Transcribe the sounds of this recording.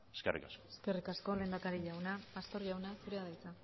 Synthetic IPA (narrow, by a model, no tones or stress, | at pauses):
eskḛrʔḭkaskoeske̞rikasko̞le̞ːnd̪akaɾiʎawnapast̪o̞ɾʝawnasuɾeaðajt͡sa